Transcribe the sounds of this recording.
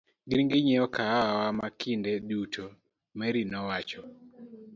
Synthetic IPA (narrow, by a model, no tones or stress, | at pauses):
ɡɪɾŋɡɪɲɛɔkaawawamakʰindɛdutʰo | mɛɾinɔwat͡ʃɔ